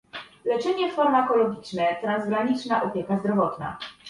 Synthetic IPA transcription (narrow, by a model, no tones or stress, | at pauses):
lɛt͡ʂɛɲɛfaɾmakɔlɔɡʲit͡ʂnɛt̪ɾanzɡɾaɲit͡ʂnaʔɔpʲjɛkazd̪ɾɔvɔt̪na̰